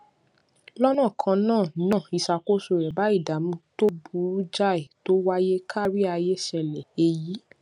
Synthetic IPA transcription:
lɔ˦nã˦˨kʰã˧nãː˦˨nã˦˨i˧sa˧˨ko˦so˧˨ɾɛ˨ba˨˦i˦˨da˨˦mũ˧˦to˦bu˨˦d͡ʒa˦e˨to˦wa˦je˦kʰa˦ɾi˦a˧je˦ʃɛ˧lɛ˨e˧ji˨˦

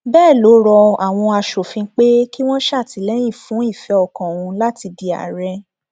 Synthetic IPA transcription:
bɛː˦˨lo˨˦ɾɔ˧a˨w̃ɔ̃˧a˧ʃo˨fĩ˧˦k͡pe˦ki˦w̃ɔ̃˦ʃa˦˨ti˨˦lɛ˦j̃ĩ˦˨fũ˨˦i˦˨fɛ˨˧ɔ˨kã˨wũ˧la˦ti˧di˧a̰˨ɾɛ˧

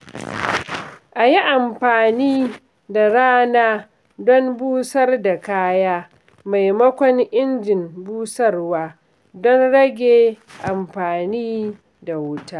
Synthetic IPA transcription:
ʔa˨ji˦ʔa˨mɸaː˨niː˦ | da˨ɽaː˦naː˦ | dɔ˦mbuː˦sɐ˦rda˨kaː˦jaː˦ | ma˨jmɐ˦kʷɔ˦ŋʔɪ˦nd͡ʒɪ˨mbuː˦sɐ˦rwaː˦ | dɔ˦nɽɐ˦ɡʲe˨ʔa˨mɸaː˨niː˦ | da˨wʊ˦taː˦ʔ

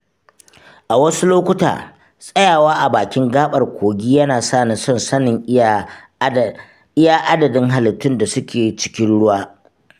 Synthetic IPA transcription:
ʔa˨wɐ˦su˦loː˦kʷʊ˦ta̰ː˨ | sʼɐ˦jaː˨waː˦ʔa˨baː˨kʲɪ˦ŋɡaː˦ɓʼɐ˨rkʷʰoː˨ɡʲiː˦jɐ˦naː˨saː˦˨na˨sɔ˦˨nsɐ˦nɪ˨ŋ | ʔɪ˦jaː˦ʔa˦dɐ˨dɪ˦ŋɦa˨lɪ˨tːʊ˦nda˨sʊ˦kʲeː˨t͡ʃɪ̥˦kʲɪ˦nɽʊ˦waː˦

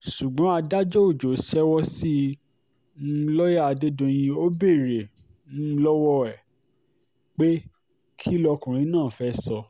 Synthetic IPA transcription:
ʃu˨ɡ͡bɔ̃˨˦a˧da˦d͡ʒɔ˦o˦˨d͡ʒo˨˦ʃɛ˦wɔ˦si˦˧˦ | lɔ˦ja˦a˧de˦dõ˧j̃ĩ˧o˦be˦˨ɾẽ˨˦ | lɔ˦wɔ˦ɛ˨ | k͡pe˦ | kʰi˦lɔ˧kũ˨ɾ̃ĩ˨˦nãː˦˨fɛ˦sɔ˧

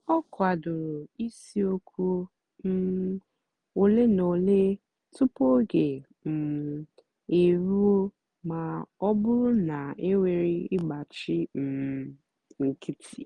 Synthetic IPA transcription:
ɔ˦kʰʷa˨dʊ˨ɾʊ˨i˦si˦o˦kʰʷu˦ | o˨le˦no˨le˦ | tʰʊ˦po˦ɡe˨ | m̩˨ | e˨ɾu˦o˦ | ma˨ɔ˦bʊ˦ɾʊ˦na˨e˦we˨ɾi˦ɪ˦ɡ͡ba˨t͡ʃɪ˦m̩˨˦ | ŋ̩˨kʰi˦tʰi˨

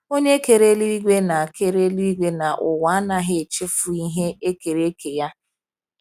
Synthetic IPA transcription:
o˦ɲe˦ke˨ɾe˦li˦i˦ɡʷe˦na˨a˨ke˦ɾe˦li˦i˦ɡʷe˦na˨ʔʊ˨wa˨a˦na˨ɦɪ˦e˨t͡ʃɪ˦fʊ˨i˦ɦe˦e˦ke˨ɾe˦ke˨ja˦

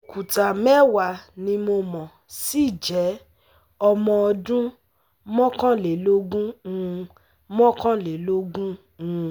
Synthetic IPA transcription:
o˨ku˨ta˨mɛ˦wa˨nĩ˧mo˧mɔ̃˨ | si˦˨d͡ʒɛ˨˦ | ɔ˧mɔ̃˧ɔ˧dũ˦ | mɔ̃˦kã˦le˨lo˦ɡũ˦˧ | mɔ̃˦kã˦le˨lo˦ɡũ˦ | ũ˦

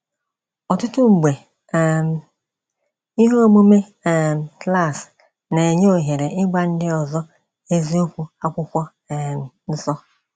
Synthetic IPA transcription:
ɔ˨tʊ˦tʊ˦ŋ͡m̩˨ɡ͡be˨ | i˦ɦo˦o˦mo˦me˦˨ | kla˦˨s | ne˨e˨ɲe˦o˨ɦe˨ɾe˨ʔɪ˦ɡ͡ba˦n̩˦dɪ˦ɔ˨zɔ˦ | e˦zi˦o˦kʷu˦a˦kʷʊ˦kʷɔ˦˨ | n̩˦sɔ˦

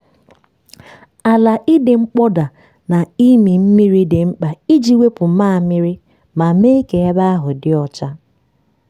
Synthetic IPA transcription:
a˨la˨ʔi˦dɪ˨ŋ͡m̩˦k͡pɔ˦da˨ | na˨i˦mi˨m̩˦mi˦ɾi˦dɪ˨ŋ͡m̩˦k͡pa˨i˦d͡ʒi˦we˦pʊ˨˦ma˦˨mɪ˦ɾɪ˦ | ma˨me˦i˦ke˨e˦ba˦a˦ɦʊ˨dɪ˦ɔ˨t͡ʃa˦

